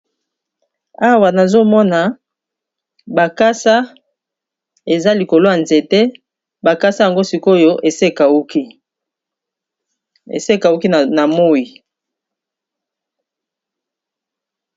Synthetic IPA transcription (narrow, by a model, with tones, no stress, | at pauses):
a˦wa˨na˨zo˦mɔ˦na˨ | ba˨ka˦sa˦ | e˨za˦li˨ko˨lo˦ja˨nze˨te˦ | ba˨ka˦sa˦ja˨ŋɡo˦si˨ko˦jo˦ʔe˨se˦ka˨u˦ki˦ | ḛ˨se˦ka˨u˦ki˦˨na˨mo˦ji˨